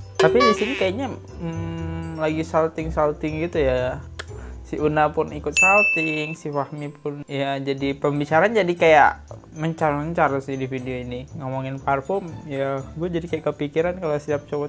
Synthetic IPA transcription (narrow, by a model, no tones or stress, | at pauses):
t̪apidisinikajaʔɲa | mlaɡisalt̪ɪŋsalt̪ɪŋɡit̪uja | siʔunapʊnikʊt̪̚salt̪ɪŋsifahmip̚ʰʊnjad͡ʒadipəmbit͡ʃaɾaaːnd͡ʒadikajaʔ | məɲt͡ʃarməɲt͡ʃarsidifideoiniŋomoŋɪnparfʊmjaɡuad͡ʒadikajakəpikiɾankalosiap̚t͡ʃowɔ